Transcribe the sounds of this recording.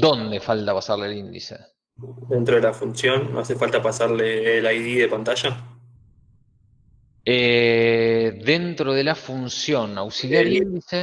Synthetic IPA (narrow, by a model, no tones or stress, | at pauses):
d̪o̞nd̪efalt̪apasaɾlelind̪ḭsḛ | d̪ent̪ɾoðelafunsjonːo̰asefalt̪apasaɾleːlajðiðepant̪aʃa | e | ðent̪ɾoð̞elafunsjo̞nawsiljaɾelind̪ise